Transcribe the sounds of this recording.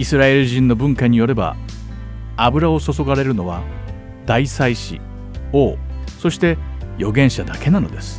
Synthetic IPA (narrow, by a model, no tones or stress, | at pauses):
isɨɾae̞ɾɯ̟ʑĩnːo̞bɯ̟̃ŋkaɲ̟ijo̞ɾe̞ba̰ | abɯ̟ɾao̞so̞so̞ɡaɾe̞ɾɯ̟no̞β̞a | d̪aisaiɕḭ | o̞ːso̞ɕi̥t̪e̞jo̞ɡẽ̞ɕad̪ake̞nano̞d̪e̞sɨ̥